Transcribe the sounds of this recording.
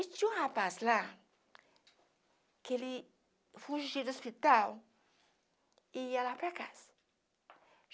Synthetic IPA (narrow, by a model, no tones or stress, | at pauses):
it͡ʃuhapasla | keli | fuʃd͡ʒiɾospit̪aw | ijalapekas